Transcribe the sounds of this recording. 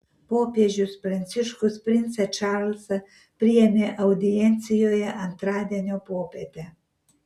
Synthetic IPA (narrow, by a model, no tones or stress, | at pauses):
popjeʒuspɾansiʃkuspɾint̪sat͡ʃaɾls | pɾiemʲeʔawd̪ient̪sijojeʔant̪ɾad̪ʲanʲopopet̪e